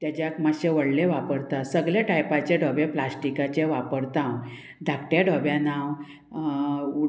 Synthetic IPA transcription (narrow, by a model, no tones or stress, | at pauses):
t̪jat͡ɕjakmaɕeʋəɽleʋapəɾt̪asəɡljaʈajpat͡ɕeɖʱəbẽplasʈikat͡ɕeʋapəɽt̪ãw | d̪ʱakʈjaɖʱəbjãnaw | u